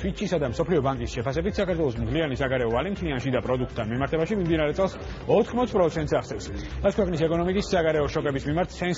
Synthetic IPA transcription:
fit͡ʃʰisad̪amsɔpʰliɔbaŋkʼisʃɛpʰas̬ɛbit̪ʰsakʰaɾt̪ʰwɛlˠɔs̬mt̪ʰlianisaɡaɾɛɔalɛmt̪ʰlianʃid̪apʼɾɔd̪uk̚ʰt̪ʰːanmimaɾt̪ʰɛbaʃimimd̪inaɾɛt̪sʼɛlˠs | ɔt̪ʰχmɔt̪spʼɾɔt̪sʰɛnt̪saχsɛvsmat̪sʰkwɛqʼnisɛkʼɔnɔmikʼisːaɡaɾɛɔʃɔkʼɛbismimaɾt̪ʰsɛns

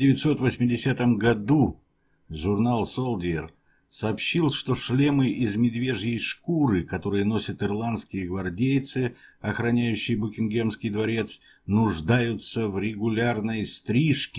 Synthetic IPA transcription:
dʲɪvʲɪt̪ʲso̞t̪vəsʲmʲɪdʲɪsʲat̪əmɡɐd̪u | ʐʊrnalˠsolˠdʲɪɪr | sɐːpɕːilˠʂt̪o̞ʂlʲe̞mɨʔɪzmʲɪd̪vʲeʐjɪjʂkuɾɨkɐt̪o̞ɾɨjəno̞sʲət̪ɨrlˠant̪skʲɪjəɡvɐrdʲejt̪sɨɐxɾɐnʲæjʉɕːɪjəbʊkʲɪnɡʲemskʲɪjd̪vɐɾʲe̞t̪s | nʊʐd̪ajʊt̪səvɾʲɪɡʊlʲarnəjst̪ɾʲiʂkʲɪ̥

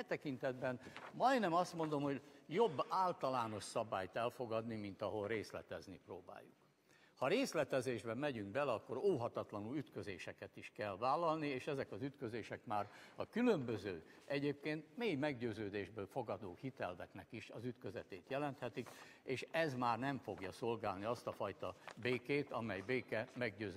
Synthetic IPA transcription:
ɛt̪ɛkint̪ɛd̪bɛnmɒjnɛmɒst̪mo̞nd̪o̞mho̞ɟjo̞bːaːlt̪ɒlaːno̞ʃsɒbaːjt̪ɛlfo̞ɡɒd̪nimint̪ɒɦo̞lreːslɛ̰t̪ɛznḭproːba̰ːjːuk | hɒɾeːslɛt̪ɛzeːʒbɛmɛɟyŋɡbɛlɛɒkːo̞ɾoːɦɒt̪ɒt̪lɒnulyt̪kø̞zḛːʃɛkɛt̪iʃkɛlvaːlːɒlnieːʃɛzɛkɒzyt̪kø̞zeːʃɛkmaːɾɒkylø̞mbøzøːʔɛɟeːp̚keːnt̪meːjmɛɡɟøːzøːd̪eːʒbøːlfo̞ɡɒd̪oːhit̪ɛlvɛknɛkiʃɒzyt̪kø̞zɛt̪eːt̪jɛlɛnt̪hɛt̪ikeːʃɛzmaːrnɛɱfo̞ɡjɒso̞lɡaːlniɒst̪ɒfɒjt̪ɒbeːkeːt̪ɒmɛjbeːkɛmɛɡɟøː

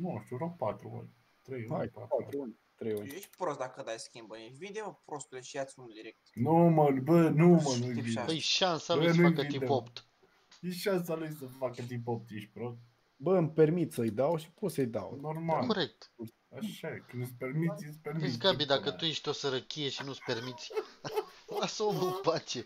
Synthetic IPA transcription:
nuʃt̪ʲuɾok̚pat̪ɾuo̰nʲ | t̪ɾejhajpat̪ɾuunʲ | t̪ɾejunʲjeʃ̚ʲpɾost̪d̪akəd̪ajskʲimbəjeʃvid̪eopɾost̪ud̪eʃiasʲũnd̪iɾek̚t̪numəbənumənuiviəjʃansalusnuaikəit̪id̪epopt̪ | jeʃansalujsəfakət̪̬ipop̚t̪jeʃt̪̚ʲpɾost̪ | bəmpermit̪səɨjd̪awʃi̥posəjd̪a̰wnormalkkoɾek̚t̪ | aʃakɨnuspermit̪sʲjispermiiskabid̪akət̪ujeʃt̪o̞səɾəkʲijeʃinut̪spe̞rmit̪sʲ | asəomupat͡ʃe

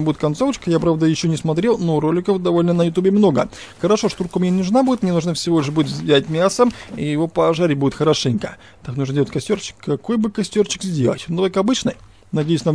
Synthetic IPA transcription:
budʲɪt̪kɐnt̪so̞vət͡ɕkəjapɾavd̪əjɪɕːonʲɪsmɐt̪ɾʲelˠnoɾolʲɪkəfd̪ɐvo̞lʲnənəjʊt̪ubʲɪmno̞ɡə̰ | xəɾɐʂo̞ʂt̪urkəmnʲenʲɪnʊʐnabudʲɪt̪mnʲeuʐnəfsʲɪvo̞lʲɪʂbudʲɪt̪vzʲvʲzʲætʲmʲasəmijɪvo̞pɐʐaɾʲɪbuɪt̪xəɾɐʂɛnʲkə̰ | t̪aknuʐndʲeətʲkɐsʲtʲo̞rt͡ɕːɪ̥kːɐko̞jbɨkɐsʲtʲort͡ɕɪ̥kzʲdʲe̞lˠə̰tʲnut̪okɐbɨt͡ɕnə | nɐdʲejʊsʲnɐ

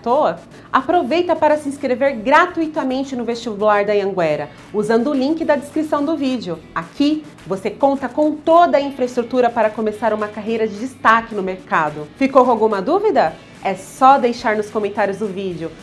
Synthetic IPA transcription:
t̪oɐ | apɾovejt̪ɐpaɾɐsɪĩskɾeveɾɡɾat̪uit̪ɐmẽnt͡ʃɪnʊvest͡ʃibulaɾd̪ɐɐ̃ɡwɛɾɐ | uzɐ̃nd̪ʊːlĩkɪd̪ɐd͡ʒɪskɾisɐ̃w̃d̪ʊvid͡ʒɪʊakʰi | vosekõnt̪ɐkõw̃t̪od̪ɐĩfɾɐɪst̪ɾut̪uɾɐpaɾɐkomesaɾũmɐkaɦejɾɐd͡ʒɪd͡ʒist̪akɪnʊmeɾkad̪ʊfikowawɡũmɐd̪uvid̪ɐ | ɛsɔd̪ejʃaɾnʊskõmẽnt̪aɾjʊzd̪ʊvid͡ʒɪʊ

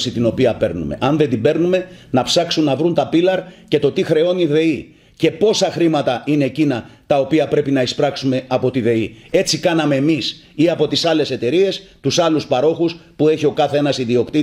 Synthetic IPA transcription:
sit̪ino̞piɐpe̞ɾnṵme̞̰ʔɐnðe̞nd̪ibe̞ɾnume̞nɐpsɐksunːɐvɾunt̪ɐpilɐɾce̞t̪o̞t̪ixɾe̞o̞niðe̞i | ce̞po̞sɐxɾimɐt̪ɐʔine̞ːcinɐt̪ɐo̞piɐpɾe̞pinɐispɾɐksume̞ɐpo̞t̪iðe̞ie̞t͡sikɐnɐme̞ːmis | iɐpo̞t̪isɐle̞se̞t̪e̞ɾie̞st̪usɐluspɐɾo̞xuspue̞çio̞kɐθee̞nɐsiðio̞kt̪i

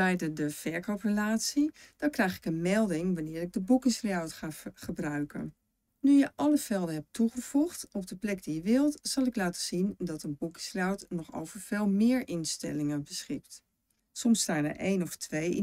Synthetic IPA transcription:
ɛjdədəv̥ɛɹkowprəlaːtsid̥ɔnkrɛjχɪ̥kənmɛlˠdɪŋʋanɪːɾɪɡ̚dəbukɪsriawtχaχəbrœɥkə̰n | nyjəʔɑləvɛlˠdəɦɛp̚tuχəv̥uχtɔb̚dəplɛɡ̚dijəʋɪlˠtsɑlˠɪklaːtə̥z̥indɑtənbukɪ̥sriawtnɔχo̰wvəɹv̥eːlˠmɪːɹʔɪnstɛ̰lɪŋənbəsχɪk̚t | sɔmsːtaːnə̰ɹʔḛjnɔftʋej

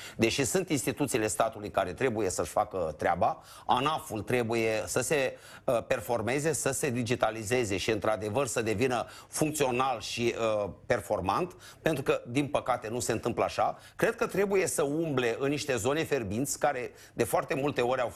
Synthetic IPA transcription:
d̪e̞ʃisunt̪inst̪it̪ut̪siːle̞st̪at̪ulujkaɾe̞t̪ɾe̞buje̞səʃfakət̪ɾea̰ba | anafult̪ɾe̞bujesəse̞ | əpe̞rfo̞rme̞ze̞səse̞d̪id͡ʒit̪alize̞ze̞ʃiɨnt̪ɾad̪e̞vərsəd̪e̞vinəfuŋk̚t̪sio̞nalʃiəpe̞rfo̞rmant̪ | pent̪ɾukəd̪inpəkat̪e̞nuse̞ɨnt̪ɨmpləaʃa | kɾe̞d̪̚kət̪ɾe̞buje̞səumble̞ʔɨnːiʃt̪e̞zo̞ne̞fe̞rbint̪sʲkaɾe̞ | d̪e̞foart̪e̞mult̪e̞o̞ɾʲaw

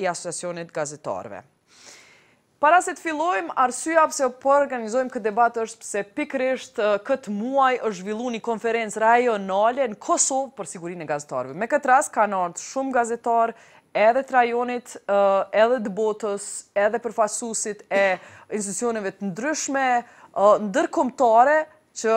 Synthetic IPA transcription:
iasɔt͡sat͡siɔnit̪ɡazɛt̪a̰ɾvɛ̰ | paɾasɛt̪ə̥filˠɔjmaɾsyjapsɛpɔɔɾɡanizɔjmkət̪d̪ɛbat̪əʃt̪sɛpikɾiʃt̪kət̪əmuajəʃ̬ʒvilˠunikɔnfɛɾɛnt͡sɾajɔnalɛnəkʰɔsɔvpəɾsiɡuɾinɛɡazɛt̪a̰ɾvɛmɛkət̪əɾas̚kanaɾt̪ʃumɡazɛt̪aɾ | ɛðɛt̪ɾajɔnit̪ɛðɛt̪əbɔt̪əsɛðɛpəɾfasusit̪ɛinst̪it̪ut͡ssiɔnɛvɛt̪ənd̪ɾyʃmɛ | nd̪əɾkɔmt̪aɾɛ | t͡ʃə

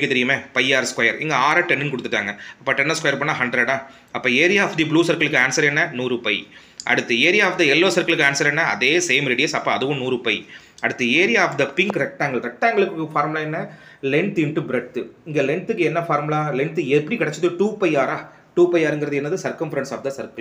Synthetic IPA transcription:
kːɯt̪ɛɾɪjɯmẽːpɐjaːɾskwɐjɐɾɪ̰ŋɡɐaːɾɐʈɛnːɯnkɔɽɯt̪ːɯʈːa̰ːŋɡɐɐpːɐːʈɛnːɐskwɐjɐɾpɐɳːãːɦɐɳɖɾɐɽãː | ɐpːɐːeːɾɪjaːfd̪ibluːsɐɾkɐɭɯkːɯaːnsɐɾɛnːɐnuːɾɯpɐɪ | ʔɐ̰ɽɯt̪ːɯeːɾɪjaːfd̪ɐɛlːoːsɐɾkɐɭɯkːaːnsɐɾɛnːɐɐ̰ðeːseːmɾɪɽɪjɐsɐpːãːɐðɯʋʊ̃nuːɾɯpɐɪ | ɐɽɯt̪ːɯeːɾɪjaaːfd̪ɐpɪŋkɾɛk̚ʈːaːŋɡɐɭɾɛk̚ʈːaːŋɡɐɭɯkːɯfaːɾmlaːɛnːɐ | lɛɳʈ̪ɪɳʈɯbɪɾɛʈːɯɪŋɡɐlɛɳt̪ɯkːɯɛnːɐfaːɾmlaːlɛɳt̪ɯɛpːɐɽikɪɽɛt͡ʃːɐðɯʈuːpɐɪaːɾaː | ʈuːpɐɪaːɾɛŋɡɪɾɐðɯɛnːɐðɯsɐɾkɐmfɾɐɳʈsaːfd̪ɐsɐɾkɐ

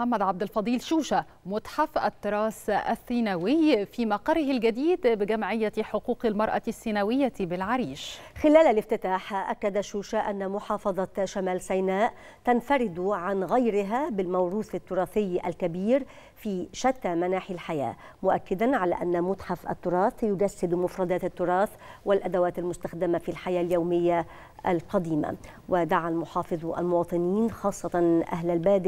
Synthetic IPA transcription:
ħamːæd̪ʕab̚d̪alfɑd̪ˤiːlʃuːʃæ | mʊt̪ˤħafʔæ̰t̪ːʊɾˤɑːsʔæ̰θːiːnæwɪjfiːmɑqɑɾˤɪɦɪlɡæd̪iːd̪bɪɡæmʕɪjːaħoquːqɪlmɑɾˤʔɑ̰sːinæwɪjːabɪlʕaɾiːʃxɪlæːlalɪft̪ɪt̪aːħʔakːad̪aʃuːʃaʔanːamʊħɑːfɑðˤɑʃamaːlsajnaːʔ | t̪anfaɾɪd̪ʕanɣajɾɪɦabɪlmawɾuːθat̪ːʊɾˤɑːθɪjːa̰lkabiːɾ | fiːʃat̪ːamanaːħɪlħaja̰ː | mʊʔakːɪd̪anʕala̰ʔanːamʊt̪ħafʔa̰t̪ːʊɾˤɑːθjʊd͡ʒasːɪd̪mʊfɾˤɑd̪aːt̪at̪ːʊɾˤɑːθ | wɪlʔad̪awaːt̪almʊst̪axd̪ɪmafilħajaːljawmɪjːa | ʔalqɑd̪iːma̰ | wʔɪd̪aʕalmʊħɑːfɨðˤʔa̰lmʊwɑːt̪ˤɨniːnxɑːsˤːɑt̪ɑnʔa̰ɦlalbaːd̪ɪ

